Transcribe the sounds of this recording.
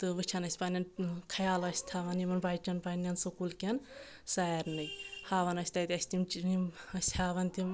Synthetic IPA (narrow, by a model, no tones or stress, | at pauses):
t̪ɨʋɨt͡ʃʰɐnɐsʲpanʲɐnkʰɐjaːlɐsʲt̪ʰaʋɐnimɐnbajt͡ʃɐnpanʲɐnsɨkulkʲɐn | saɾnɨjhaːʋɐnɐsʲt̪ajt̪ʲɐsʲt̪imt͡ʃiimɐsʲhaʋɐnt̪ʲim